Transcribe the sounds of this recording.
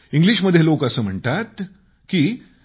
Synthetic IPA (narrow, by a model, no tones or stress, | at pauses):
iŋɡliʃməd̪ʱːjeloːkəsəːm̤əɳʈ̪at̪ | ki